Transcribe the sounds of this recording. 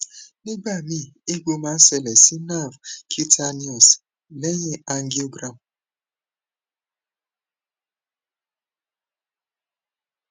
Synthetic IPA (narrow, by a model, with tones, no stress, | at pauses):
ne˦ɡ͡ba˦˨mi˦ | e˦ɡo˦ma˦se˨le˨si˦na˦˨vkʰi˦tʰa˦ni˦ɔ˨s | le˦ɲe˦a˦ŋ̩˦ɡi˦o˦ɡɾa˨m˨